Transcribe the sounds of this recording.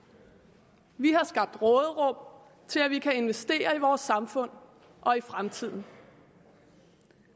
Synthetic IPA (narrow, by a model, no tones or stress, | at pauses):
ʋiɦɑ̈sɡ̥ɑ̈b̥̚d̥ʁɔ̽ːð̩ˠəʁɔ̽m̰ | t͡sʰe̝læʋikʰæe̝nʋesd̥e̝̰ːɐiʋɒːsːɑ̈mfɔ̽n̰ | ʔɒ̽ifʁamt͡sʰið̰ˠn̩